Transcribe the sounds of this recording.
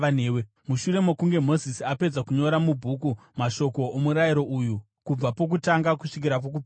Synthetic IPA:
aneːwe | muʃuɾe̞mokuŋɡe̞mo̞zisiape̞d͡zakuɲo̞ɾamubʱukumaʃo̞ko̞ʔomuɾajiɾo̞ʔuju | kub͡vapo̞k̬utaŋɡakuʂik̬iɾap̬ok̬u

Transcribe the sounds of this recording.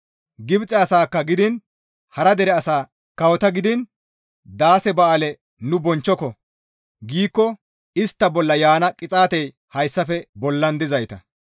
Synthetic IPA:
ɡɪbt͡sʼɛɐsaːkːɐɡɪd̪ɪn | hɐɾɐd̪ɛɾɛɐsaː | kɐwɔt̪ɐɡɪd̪ɪn | d̪aːsɛbɐʔalɛ | nʊbɔnt͡ʃːɔkɔ | ɡiːkːɔ | ɪst̪ːɐbɔlːɐjaːnɐkʼɪt͡sʼaːt̪ɛj | hɐjsːɐfɛbɔlːɐnd̪ɪzɐjt̪ɐ

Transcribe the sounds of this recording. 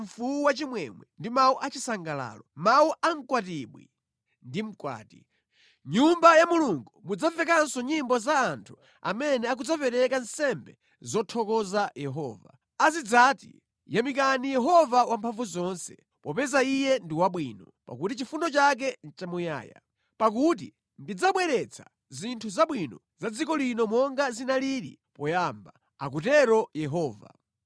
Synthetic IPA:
ɱ̩fuuwat͡ʃimwɛmwɛndimauʔat͡ʃisaŋɡala̰ːlɔmauʔaŋ̩kwatiɓwḭ | ndim̩kwa̰ːti | ɲumbajamuluŋɡumud͡zafɛkansɔɲimbɔzaːntʰu̥ | a̰mɛnɛak̬ud͡zapɛɾɛkan̩sɛmbɛ | zɔtʰɔkɔzajɛɦɔːva̰ | azid͡zatḭ | jamik̬anijɛɦɔvawampʰaɱvuzɔnsɛ̥ | pɔpɛzaijɛndiwaɓwiːnɔ | pa̰kutit͡ʃifunɔt͡ʃak̬ɛn̩t͡ʃamuja̰ːja̰ | pak̬ut̬i | ndid͡zaɓwɛɾɛt͡sʰḁ | zintʰuzaɓwinɔ | z̥ad͡zikɔlinɔmɔŋɡazinaliɾḭpɔjamba | a̰k̬utɛɾɔjɛɦɔːva̰

